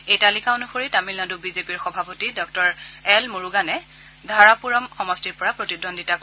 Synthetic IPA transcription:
ejtalikaonuxoɹitamilnadubizepiɹxɔbʱapotidɔk̚tɔɹɛlmoɹuɡanɛ | dʱaɹapuɹɔmxɔmɔstiɹpɔɹapɹotidɔndʱitak

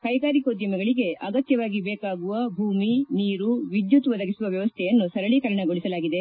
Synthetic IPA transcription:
kɐjɡaːɾikoːd̪jɐmɐɡɐɭiɡe̞ʔɐɡɐt̪jɐʋaːɡibɛːkaːɡuʋɐbʱuːminiːɾuʋid̪jut̪ʋɐd̪ɐɡisuʋɐʋjɐʋɐst̪ʰɛjɐnːusɐɾɐɭikɐɾɐɳɐɡoɭisɐlaːɡid̪e

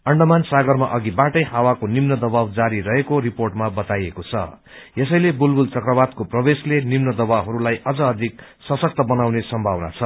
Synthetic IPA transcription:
ʌɳɖʌmansaɡʌrmaʔʌɡibaʈʌjhawakonimnʌd̪ʌbawd͡zaɾiɾʌɦekoɾiporʈmabʌt̪ajekot͡sʰʌ̰ | jesʌjlebulbult͡sʌkrʌbad̪̚koprʌbeslenimnʌd̪ʌbawɦʌɾulajʔʌd͡zʌːd̪ʱik̚ | sʌsʌk̚t̪ʌbʌnawnesʌmbʱabna̰t͡sʰʌ

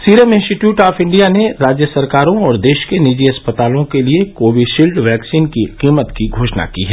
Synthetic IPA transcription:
siːɾeːmɪ̃nsʈɪʈjuːʈaːfɪ̃ɳɖijaneɾaːd͡ʒjəsɐɾkaːɾõɔːɾd̪eːʃkenid͡ʒiɐspət̪aːlõkeliekoːʋiɖʃiːlɖʋɛːksiːnkiqiːmət̪kiɡʱoːʃna̰kiɦɛ

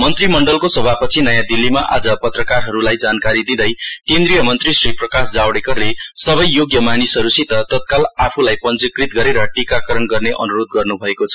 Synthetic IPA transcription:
mʌnt̪rimʌɳɖʌlkosʌbʱapʌt͡sʰinʌjad̪ilːimaʔa̰d͡zʌpʌt̪rʌkarɦʌɾulajd͡zankaɾid̪id̪ʌjkend̪ɾijʌmʌnt̪risriprʌkasd͡zawɽekʌrlesʌβʌjːoɡjʌmanisɦʌɾusit̪ʌt̪ʌt̪̚kalapʰulajpʌnt͡sikrit̪ɡʌɾeɾʌʈikakʌɾʌnɡʌrneʔʌ̰nuɾod̪̚ɡʌrnubʱʌekot͡sʰʌ

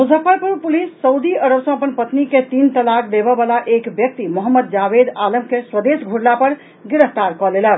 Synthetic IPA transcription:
mud͡ʒʱəpəɾpuɾpulisːəwd̪iəɾəbsʌ̃əpənpət̪niket̪int̪əlakd̪ebəbalaʔekbjək̚t̪imɔɦəmːəd̪̚d͡ʒabed̪aləmkeswəd̪esɡʱuɽlapəɾ | ɡiɾəɦt̪aɾkɔlelə

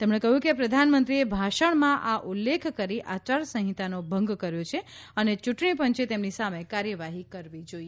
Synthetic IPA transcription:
t̪emɳ̃ekəɦjũkepɾəd̪ʱanmənt̪ɾiebʱaʃəɳmãʔaʔulːekʰkəɾiʔat͡ʃaɾsə̃ɦĩt̪anobʱə̃ŋɡkəɾjot͡ʃʰeənet͡ʃuʈɳipəɲt͡ʃet̪emnisamekaɾjəʋaɦikəɾʋid͡ʒoie

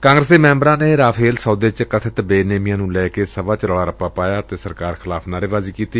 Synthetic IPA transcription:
kãːŋɡɾəseːmɛ̃ːmbɾãːneːɾaːpʰeːlsɔːd̪eːt͡ʃkət̪ʰɪt̪beːneːmɪjãːnũːlɛːkeːsəbaːt͡ʃɾoːɽaːɾəpːaːpaːjaːt̪eːsəɾkaːɾxʰɪlaːpʰnaːɾeːʋaːziːkiːt̪iː

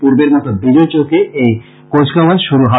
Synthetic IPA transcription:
puɾbeɾmɔt̪obid͡ʑojt͡ɕokeej | kod͡ʑkaaʃuɾuɦa

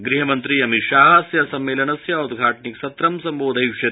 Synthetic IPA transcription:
ɡɾiɦɐmɐnt̪ɾiɐmit̪ʃaːɦɐsjɐsɐmːeːlɐnɐsjɐud̪ɡʱaːʈɐniksɐt̪ɾɐmsɐmboːd̪ʱɐjʃɐ

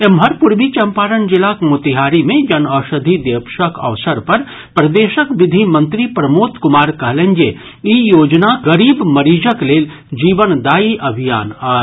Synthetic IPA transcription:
emɦəɾpʊɾbit͡ʃɐmpaːɾənd͡ʒɪlakmʊt̪iɦaːɾimẽd͡ʒɐnɐːʃəd̪ʱid̪epʃəkɐ̰ʋsəɾpɐɾ | pɾɐd̪eːʃəkʋɪd̪ʱimɐ̃nt̪ɾipɾɐmoːt̪kʊmaːɾkɐɦlẽŋd͡ʒe | ijoːd͡ʒnaɣɐɾiːbmɐɾiːd͡ʒəkleːl | d͡ʒiːʋənd̪aːiʔɐbʱijaːnaː

